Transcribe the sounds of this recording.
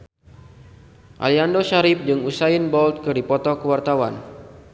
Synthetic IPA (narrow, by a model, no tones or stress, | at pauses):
ʔa̰liandoʃaɾɪp̚d͡ʒɨŋusainbɔlt̪̚kɨrdipɔt̪ɔkəwart̪awa̰n